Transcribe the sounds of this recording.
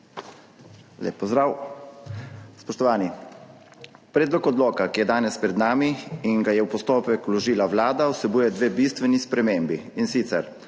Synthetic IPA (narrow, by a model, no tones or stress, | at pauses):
lḛːpːɔzd̪ɾaw | spɔʃt̪ɔʋaːni | pɾeːd̪lɔkɔd̪loːkakijɛd̪aːnɛspɾɛd̪naːmiinɡajɛwpɔst̪oːpɛklɔʒiːlaʋlaːd̪awsɛbuːjɛd̪ʋeːbist̪ʋɛnispɾɛmeːmbiːnsiːt̪sɛɾ